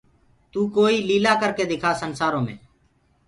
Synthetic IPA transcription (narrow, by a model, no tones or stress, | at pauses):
t̪uːkoːiːliːlaːkəɾkeːd̪ɪkʰaːsənsaːɾõːmḛ̃ː